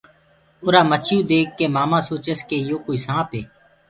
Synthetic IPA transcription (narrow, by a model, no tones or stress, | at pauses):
ʊɾaːmət͡ʃʰjũːd̪eːkːeːmaːmãːsoːt͡ʃəskeːjoːkoːiːsãːpeː